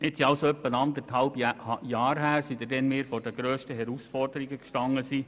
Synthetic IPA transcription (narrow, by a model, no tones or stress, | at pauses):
ɪtsiɑwsoœpːənɑnd̪əɾthɑlbjɑːɾɦæːɾsid̪ədɛnmɪːɾfɔdəɡ̥ɾøːʃtəɦɛɾusfɔrdəɾiɡəkʃtɑŋːəsiː